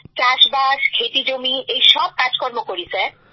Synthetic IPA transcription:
t͡ɕaʃbaʃkʰeʈid͡ʑomiejʃɔb̚kad͡ʑkɔɾmokoɾit͡ɕʰe

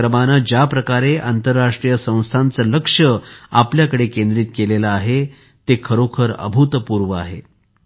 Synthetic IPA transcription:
ɾəmanad͡ʑjapɾəkaɾeant̪əɾːaʂʈɾijəsə̃w̃st̪ʰant͡sələkʂəapljakəɽekend̪ɾiːt̪kelelaːɦe | t̪ekʰəɾokʰəɾə̰bʱut̪əpuɾʋəa̰ɦḛ

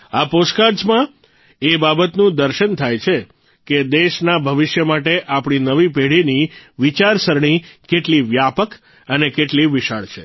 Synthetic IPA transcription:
aposkaɾd͡ʒmã | ebabət̪nũd̪əɾʃənt̪ʰajt͡ʃʰe | ked̪eʃnabʱəʋɪʃjəmaʈeʔapɽ̃inəʋipeɽiniʋit͡ʃaɾsəɾɳ̃ikeʈliʋjapək | ənekeʈliʋɪʃa̰ɭt͡ʃʰe

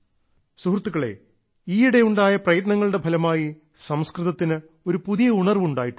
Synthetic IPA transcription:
suhrt̪ːuɣɐɭḛ | iːiɽe̞uɳɖaːjɐprɐjɐt̪nɐŋːɐɭɨɽe̞bʱɐlɐmaːji | sɐmskrɨðɐt̪ːinɨ | o̞ɾupuðijɐuɳɐrʋuɳɖaːjiʈː

